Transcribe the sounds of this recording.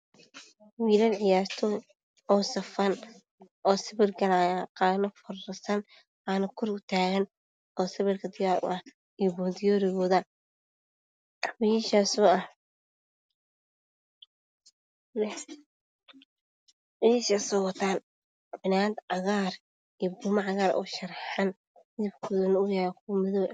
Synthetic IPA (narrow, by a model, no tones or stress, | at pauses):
wiːlɐnʕɪjaːrt̪ʰɔ | ɔːsɐfɐn | ʔɔːsɪβɪrɡɐlaːjqɑːnɐfɐrɐsɐn | aːnɐkʰɔrʊt̪ʰaːɣɐn | ɔːsɐβɪrkʰɐd̪ɪjaːɾʊ̰ʔɐh | ijɔbɔːd̪ɪjɔːɾɪɣɔːðɐ | wɛʃaːsuːɐh | iʃaːsɔwɐt̪ʰaːn | bɪnaːd̪ʕɑɣaːr | ijɔbʊmɐʕɑɣaːɾɔ̰ːʃɐrħɐn | d̪ɪbkʰɔːðɐnʊjaɾkʰːmɪðɔw